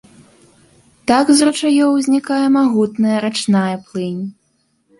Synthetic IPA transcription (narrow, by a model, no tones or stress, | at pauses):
t̪aɡzrɐt͡ʂajɔwzʲnʲikajɛmaɣut̪nɐjɐɾat͡ʂnajɐplˠɨnʲ